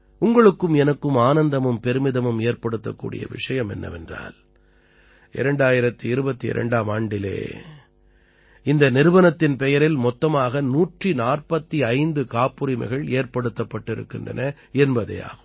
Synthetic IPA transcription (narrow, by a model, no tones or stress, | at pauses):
ʊŋɡɐɭɯkːɯmɛnɐkːɯmaːnɐnd̪ɐmɯmpɛɾɯmɪðɐmɯmeːrpɐɽɯt̪ːɐkːṵːɽɪ̰jɐ̰ʋɪ̰ʂɐjɐmɛnːɐ̰ʋɛndra̰ːl | ʔɪɾɛɳɖaːjɪɾɐt̪ːɯɪɾɯbɐt̪ːiɪ̰ɾɐ̰ɳɖaːmaːɳɖɪlḛː | ɪnd̪ɐnɪɾɯʋɐnɐt̪ːɪnpɛjɐɾɪlmɔt̪ːɐmaːɣɐnuːʈrinaːrpɐt̪ːiɐɪnd̪ɯkaːpːɯɾɪmɐ̰ɪɣɐɭeːrpɐɽɯt̪ːɐpːɐʈːɪɾɯ̰kːɪndrɐ̰nɐ | ɛnbɐðɐ̰ja̰ːɣɯm